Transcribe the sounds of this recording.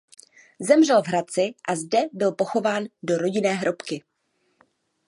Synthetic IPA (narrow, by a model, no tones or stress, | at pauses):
zɛmr̝ɛlvɦɾat͡sɪʔazdɛbɪlpo̞xo̞vaːndo̞ɾo̞ɟɪnɛːɦɾo̞pkɪ